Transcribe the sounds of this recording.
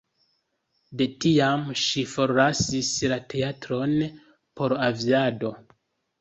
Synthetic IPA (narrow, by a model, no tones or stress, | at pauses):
de̞tiamʃifo̞ɾlasislate̞atɾo̞n | po̞ɾaviado̞